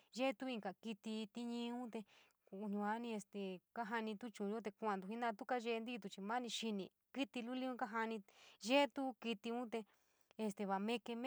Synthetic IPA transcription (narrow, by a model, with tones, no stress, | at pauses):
ʒe˦˧t̪u˦i˧ŋka˨ki˧t̪i˧t̪i˦ɲĩ˧ũ˦t̪e˧ | ku˧ɲũ˧a˦nĩ˧e˧st̪e˨ka˦ɦa˧nĩ˧t̪u˦t͡ʃũː˨˧o˦t̪̬e˧ku˧ã˧nd̪u˧˨i˦nã˧t̪u˦ka˦ʒe˧nd̪i˦˧t̪̬u˧˨t͡ʃi˧mã˦nĩ˧ʃi˧nĩ˨ | ki˦t̪i˧lu˦li˦ũ˦ka˦ɦa˧nĩ˧ʒe˦t̪u˦ki˧t̪i˧ũ˦t̪e˧ | e˧st̪e˧βa˨mẽ˧ke˧m˦